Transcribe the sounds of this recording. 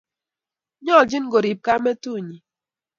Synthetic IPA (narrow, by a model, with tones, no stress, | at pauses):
ɲɔ˦˨d͡ʒi˦n˦ɡo˨ɾi˨p̚ka˦me˦tu˦˨ɲi˨